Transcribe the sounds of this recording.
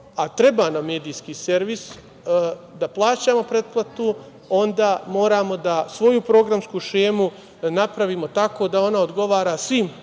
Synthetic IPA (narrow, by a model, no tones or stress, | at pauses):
at̪ɾe̞baːname̞ːd̪iːskiːse̞ɾʋis | d̪aplˠaːt͡ɕamo̞pɾe̞d̪̚plˠat̪u | o̞nd̪aːmo̞ːɾaːmo̞d̪asʋo̞jupɾo̞ɡɾamskuʃeːmu | napɾaʋiːmot̪ako̞ːd̪ao̞nao̞d̪ɡo̞ʋaːɾaːsʋim